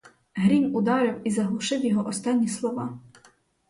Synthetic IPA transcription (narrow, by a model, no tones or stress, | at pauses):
ɦɾʲimʲud̪ɑɾɪwizɐɦlˠʊʃɪwjɔɦɔʔɔst̪ɑnʲːislˠɔʋɑ